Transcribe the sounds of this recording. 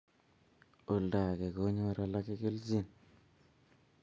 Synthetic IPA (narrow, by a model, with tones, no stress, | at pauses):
o˨lda˨ke˨ko˦ɲo˦ɾa˦la˦ke˦ke˦lzi˦˨n